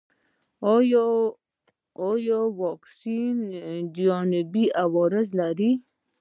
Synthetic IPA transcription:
j | ojɔwɔksind͡ʒɔnɪbiawɔɾɪzlaɾi

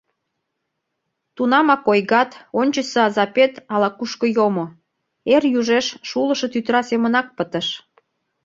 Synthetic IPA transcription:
t̪unɑmɑkojɣɑt̪onʲt͡ɕəsəɑzɑpet̪ɑlɑkuʃkə̆jomo | erjuʒeʃʃuləʃə̆t̪yt̪ɾɑsemənɑk̚pət̪ə̆ʃ

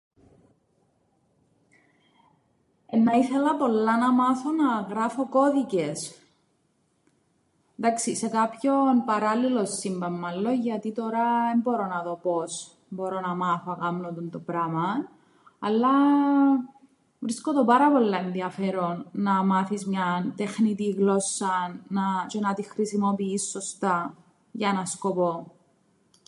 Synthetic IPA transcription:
enːɐiθe̞lɐpo̞lːɐnɐmɐθo̞nɐɣɾɐfo̞ko̞ðices | nd̪ɐksise̞kɐpço̞npɐɾɐlilo̞sːimbɐmːɐlːo̞ʝɐt̪it̪o̞ɾɐðembo̞ɾo̞nɐðo̞po̞s | bo̞ɾo̞nɐmɐθoɐkɐmnod̪ont̪opɾɐmɐn | ɐlːɐ | vɾiskod̪opɐɾɐpo̞lːɐenðiɐfeɾo̞nːɐmɐθizmɲɐnt̪exnit̪iɣlo̞sːɐnɐt͡ʃe̞nɐt̪ixɾisimo̞piːsːo̞st̪ɐ | ʝɐenɐsko̞po̞

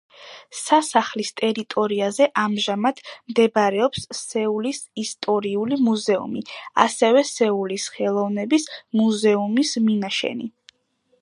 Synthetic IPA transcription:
sasaχlist̪ʼɛɾit̪ʼɔɾiazɛʔamʒamad̪̥ʰmd̪ɛbaɾɛɔpsːɛulisist̪ʼɔɾiulimuzɛṵmia̰sɛvɛsɛulisχɛlˠɔvnɛbismuzɛumisminaʃɛ̰ni

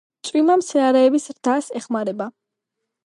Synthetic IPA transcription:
t̪sʼwimamsɛaɾɛːbisɾd̪asɛχmaɾɛba

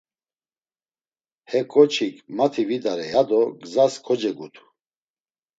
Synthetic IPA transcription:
hɛkʼɔt͡ʃʰikʰmat̪ʰivid̪aɾɛjad̪ɔɡzaskʰɔd͡ʒɛɡut̪ʰu̥

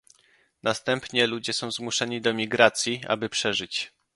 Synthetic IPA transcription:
nast̪ɛmpɲɛlud͡ʑɛsɔ̃w̃zmuʂɛɲid̪ɔmʲiɡɾat̪sʲjia̰bɘpʂɛʐɘt͡ɕ

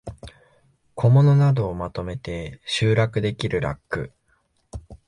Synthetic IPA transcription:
kʰo̞mo̞no̞nad̪o̞ːmat̪o̞me̞t̪e̞ɕɨːɾakɯ̟d̪e̞kʲiɾɯ̟ɾa̰kːɯ̟̰

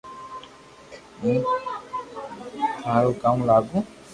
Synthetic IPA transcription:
mĩ | t̪ʰãɾokamlaɡũ

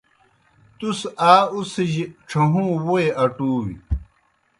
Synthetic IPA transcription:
t̪usaːusiʑiʈ͡ʂʰɐɦũːwoeʔɐʈuːwḭ

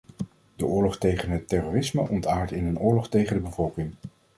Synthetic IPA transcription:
d̥əʔʊːɹlɔχtejχənɦətːɛroːrɪsməʔɔntaːɹtɪnənʊːɹlɔχtejχəndəbəvɔlˠkɪŋ

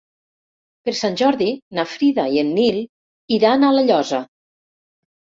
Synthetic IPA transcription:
peɾsanʲʒɔɾðinafɾiðaienːil | iðanaləʎɔzə

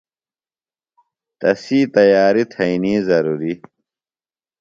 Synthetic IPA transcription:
t̪ɐsiːt̪ɐjaːɾit̪ʰɐiniːzɐɾuːɾi

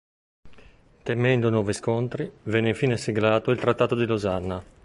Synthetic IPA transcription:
t̪emɛnd̪onɔːviskont̪ɾivɛnːeifiːneseɡlaːt̪oilt̪ɾat̪ːaːt̪od̪ilozanːa

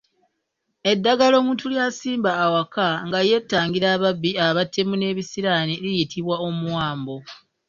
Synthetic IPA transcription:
e̞dːaɡalo̞ːmuːntuljaːsiːmbaːwakaŋɡaje̞tːaːŋɡiɾaːβabːiaβatʰːemune̞ːβisiɾaniɾijitʰiβwao̞muwaːmbo̞

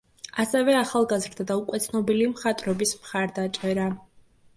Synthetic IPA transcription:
asɛvɛaχalˠɡazɾd̪ad̪aukʼwɛt̪sʰnɔbilimχat̪ʼɾɔbismχaɾd̪at͡ʃʼɛɾa

